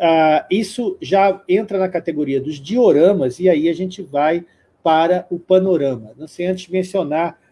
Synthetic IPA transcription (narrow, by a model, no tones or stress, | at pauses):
aisʊʒaẽnt̪ɾɐnɐkat̪eɡoɾiɐd̪ʊzd͡ʒioɾɐ̃mɐzɪaiaʒẽnt͡ʃɪvaj | paɾɐʊpɐnoɾɐ̃mɐnɐ̃w̃sejɐ̃t͡ʃ̪ɪzd͡ʒɪmẽsionaɾ